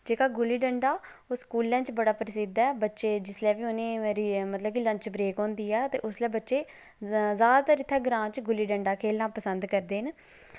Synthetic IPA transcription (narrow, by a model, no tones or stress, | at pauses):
d͡ʒeːkaːɡʊliːɖəɳɖaː | oskuːlːə̃ːt͡ʃbəɽaːpɾsɪd̪ɛːbətːʃeːd͡ʒɪslɛːʋiːʊnẽːɾimət̪ləbkiləɲt͡ʃbɾeːkɦõːnd̪iːɛːt̪eːʔʊslɛːbətːʃeː | zaːd̪aːt̪aɾɪt̪ʰːɛːɡɾãːt͡ʃɡʊliːɖəɳɖaːkʰeːlnãːpəsənd̪kəɾd̪eːn